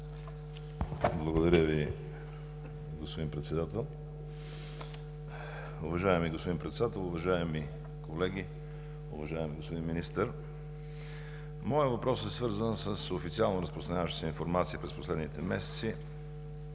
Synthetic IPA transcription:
blˠɐɡod̪ɐɾʲəvi | ɡospod̪inpɾɛt̪sɛd̪at̪ɛlˠ | ʊvɐʒaɛmiɡospod̪inpɾɛt̪sɛd̪at̪ɛlˠʊvɐʒaɛmi | kolɛɡi | ʊvɐʒaɛmiɡospod̪inminist̪əɾ | mɔjəvɐpɾɔsɛsvɤɾzənsəsofit̪sialˠnoɾəspɾost̪ɾɐnɲʲavəʃt̪ə̥sɛinfoɾmat̪siəpɾɛsposlɛd̪nit̪ɛmɛsɛ̥t̪si

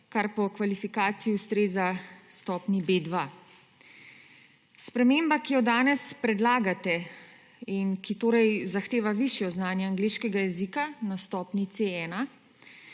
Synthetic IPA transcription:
kaɾpɔkʋalifikaːt̪siiust̪ɾeːzast̪ɔːpnibeːd̪ʋa | spɾɛmeːmbakijɔd̪aːnɛspɾɛd̪laːɡat̪ɛ | inkit̪oːɾɛjzaxt̪eːʋaʋiʃjɔznaːnjɛaŋɡleːʃkɛɡajɛziːkanast̪ɔːpnit̪seɛːna

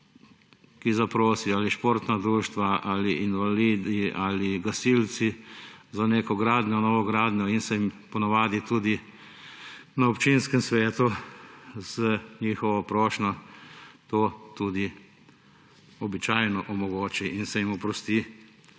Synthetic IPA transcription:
kizapɾoːsiaːliʃpoːɾt̪nad̪ɾuːʃt̪ʋaʔaːliʔinʋaliːd̪iaːliɡasilt͡ssizaneːkɔɡɾaːd̪ɲʲɔnɔːʋɔɡɾaːd̪ɲɔinsɛimpɔnaʋaːd̪it̪uːd̪i | naɔpt͡ʃinskɛmsʋɛːt̪u | z̥əɲiːxɔʋɔpɾɔːʃnɔ | t̪oːt̪uːd̪i | ɔbit͡ʃaːjnɔʔɔmɔɡoːt͡ʃiʔinsɛjimɔpɾɔst̪i

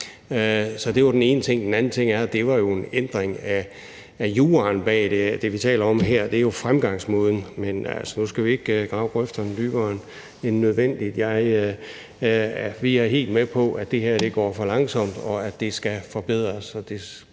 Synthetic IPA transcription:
øsɒ̽d̥e̝jad̥ene̝ːnət͡sʰe̝ŋ̰d̥enænn̩t͡sʰe̝ŋ̰æɐd̥e̝ʋɑ̈jo̝e̝nend̥ʁeŋæː | juːɐːnb̥ɛ̰ːd̥ed̥e̝ʋit͡sʰɛ̰ːlɐɒ̽mɦeɐ̰d̥eɐjo̝fʁamɡ̥ɑ̈ŋ̰smɔːðˠn̩menæ̰lsɐnusɡ̥æʋie̝ɡ̥ɡ̥ʁɑ̈ʊɡ̥ʁœfd̥ɐnd̥yːb̥ɐːn | enːøð̞ˠʋen̰d̥id̥jɑ̈ɪ | æʋiæɐɦe̝̰ːld̥mepʰɒ̽ʔæd̥e̝ɦeɐ̰d̥e̝ɡ̥ɒ̰ːfɒ̽lɑ̈ŋsɒ̽m̰d̥ɒ̽æd̥e̝sɡ̥æfɒ̽b̥eð̞̰ˠʁɐsɒ̽d̥e̝

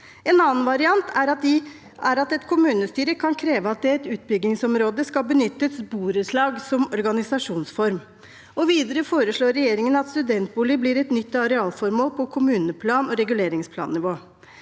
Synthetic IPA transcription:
ɛnɑːn̩ʋɑɾɪɑnt̪ʰæɾɑ | æɾɑt̪ɛt̪kʰʊmʉːnəst̪yːɾəkʰɑnkʰɾeːʋəɑt̪̚d̪ɛɛt̪ʉːt̪̚bʏɡɪŋsɔmɾoːd̪əskɑlbənʏt̪ːəsbuːɾəʂɭɑːɡsɔmɔɾɡɑnɪsɑʂuːnsfɔɾm | ɔʋiːd̪əɾəfoːɾəʂɭoːɾːɛjeːɾɪŋənɑt̪st̪ʉd̪ɛnt̪̚buːlɪbliɾɛt̪nʏt̪ːɑɾɛɑːlfɔɾmoːlpʰɔkʰʊmʉːnəpʰlɑːnɔɾɛɡʉleːɾɪŋspʰlɑ̰ːnːɪʋoː

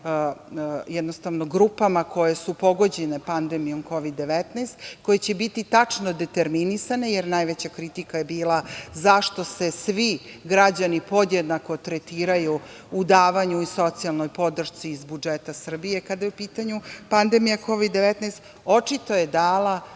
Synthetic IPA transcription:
jɛd̪nost̪aʋno̞ɡɾupamako̞je̞supo̞ɡo̞d͡ʑene̞pand̪emijo̞mko̞ʋid̪ːe̞ʋet̪neːst̪ko̞jet͡ɕe̞bit̪it̪at͡ʂnod̪et̪eɾminisane̞jeɾnajʋet͡ɕakɾit̪ikajebiːlˠazaʃt̪o̞se̞sʋiɡɾad͡ʑanipo̞d̪jed̪nako̞t̪ɾet̪iːɾaju | ud̪aːʋaɲuiso̞t̪sialˠno̞jpo̞d̪r̩ʃt̪siːzbud͡ʒet̪asr̩bije̞kad̪ajeupiːt̪aɲupand̪emijako̞ʋid̪ːe̞ʋet̪najst̪ | o̞t͡ʂit̪o̞jed̪aːla

